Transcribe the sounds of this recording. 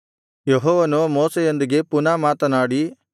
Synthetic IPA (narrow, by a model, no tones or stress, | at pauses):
jeɦɔːʋɐnumoːsejond̪iɡe̞punaːmaːt̪ɐnaːɽi